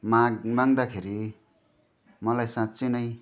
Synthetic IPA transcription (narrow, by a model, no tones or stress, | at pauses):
mamaŋd̪akʰeɾi | mʌlajsãt͡senʌj